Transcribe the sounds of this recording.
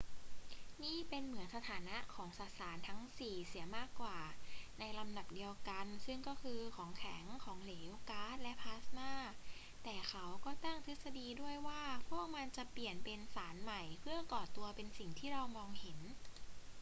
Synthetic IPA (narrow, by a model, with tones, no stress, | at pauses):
niː˥˩pe˧nmɯ˩˦ənsa˧t̪ʰaː˩˦na˦˥ʔkʰɔː˩˦ŋsa˨˩t̪̚saː˩˦nt̪ʰa˦˥ŋsiː˨˩si˨˩˦ɐmaː˥˩kːwaː˨˩na˧jla˧mda˨˩p̚di˧əwka˧nsɯ˥˩ŋkɔː˥˩kʰɯː˧kʰɔː˩˦ŋkʰɛ˩˦ŋkʰɔː˩˦ŋleː˩˦˨wkaː˦˥˩t̪̚lɛ˦˥ʔpʰaː˦˥snaː˥˩ | t̪ɛː˨˩xʰa˦˥wkɔː˥˩t̪a˥˩ŋt̪ʰɯ˦˥t̪̚sa˧diː˧du˥˩əjwaː˥˩pʰu˥˩ək̚ma˧nt͡ɕa˨˩pli˨˩ənpe˧nsaː˩˦nma˨˩jpʰɯ˥˩ɐkɔː˨˩t̪u˧ɐpe˧nsi˨˩ŋt̪ʰiː˥˩ɾɔː˧wmɔː˧ŋhe˩˦n